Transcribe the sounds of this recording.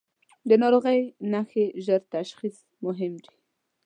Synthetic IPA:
d̪ənɑɾoɣəjnaxeʒəɾt̪aʃxis | mʊɦɪmd̪i̥

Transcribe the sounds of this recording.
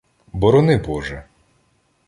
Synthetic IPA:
bɔɾɔnɪbɔʒɛ

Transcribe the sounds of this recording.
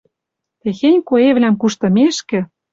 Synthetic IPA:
t̪exenʲkoeβlʲæmkuʃt̪ɤ̆meʃkɘ̆

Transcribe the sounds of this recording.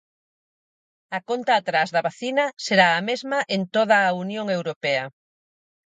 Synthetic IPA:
ɐkont̪aːt̪ɾazðɐβaθinɐseɾaːmezmɐʔent̪oð̞ɐːunjoŋewɾopɛɐ

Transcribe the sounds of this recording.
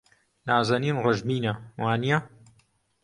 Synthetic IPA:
naːzɐniːmrɐʒmiːnɐwaːnijɐ

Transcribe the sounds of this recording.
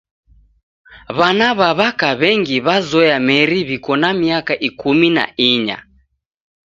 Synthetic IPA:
βanaβaβakaβɛŋɡiβazɔjamɛɾiβikɔnamiakaʔikumina̰ʔiɲa̰

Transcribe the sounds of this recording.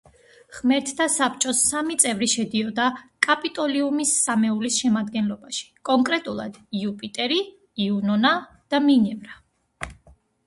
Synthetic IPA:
χmɛɾt̪ʰd̪asapʰt͡ʃʼɔsːamit̪sʼɛvɾiʃɛd̪iɔd̪akʼapʼit̪ʼɔliumisːamɛulisʃɛmad̪ɡɛnlɔbaʃi̥kʼɔŋkʼɾɛt̪ʼulˠa̰d̪̥iupʼit̪ʼɛɾi | iunɔna | d̪̥aminɛvɾa

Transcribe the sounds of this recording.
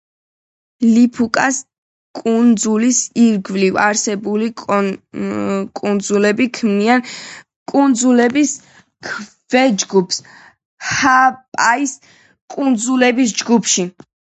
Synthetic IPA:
lipʰukʼas | kʼund̪zulisiɾɡvlivaɾsɛbuli | kʼund̪zulɛbikʰmnian | kʼund̪zulɛbis | kʰ | v̥ɛd͡ʒɡupʰs | hapʼais | kʼund̪zulɛbisd͡ʒɡupʰʃi

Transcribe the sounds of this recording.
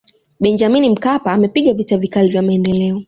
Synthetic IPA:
ɓɛnd͡ʒaminim̩kapaːmɛpiɠavitavikalivjamaɛndɛlɛɔ

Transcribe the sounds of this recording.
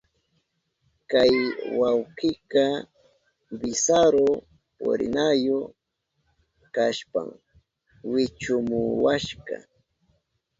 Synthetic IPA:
kajwawqɪkɑ | bɪsaɾo | pʊ̰ɾɪ̰najo | kaʃpa̰ŋ | wɪt͡ʃʊmʊwaʃkɑ̰

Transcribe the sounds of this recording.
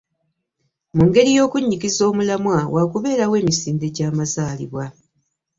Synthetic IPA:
muŋɡe̞ɾijo̞ːkuɲːikizo̞ːmulamwawaːkuβe̞ːɾawe̞ːmisiːnde̞ɟaːmazaːlḭβwa

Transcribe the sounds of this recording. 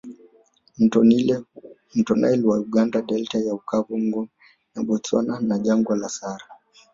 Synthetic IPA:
m̩tɔnajlwauɠandaɗɛltajaukavuŋɡɔ | naɓɔt͡sɔ̰nanaʄaŋɡwalasaɾa

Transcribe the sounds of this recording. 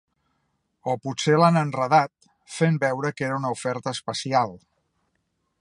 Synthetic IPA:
oput̪selanənrəðat̪̚ | fembɛwɾəkeɾəunəufɛɾt̪əːspəsialˠ

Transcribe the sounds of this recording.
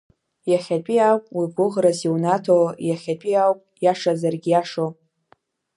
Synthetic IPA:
jaχʲat͡pʷʼiawpʼwiɡʷʊʁraziwnatʰojaχʲat͡pʷʼiawpʼjaʂazarɡʲijaʂo

